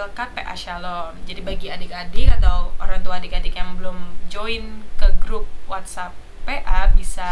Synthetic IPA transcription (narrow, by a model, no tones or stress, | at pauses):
lkapeʔa̰ʃalɔnd͡ʒadibaɡiadikadɪkat̪awoɾaŋt̪uaːdikadikjaŋbəlʊmd͡ʒoinkəɡɾʊp̚wat̪sapː | ɛʔabisa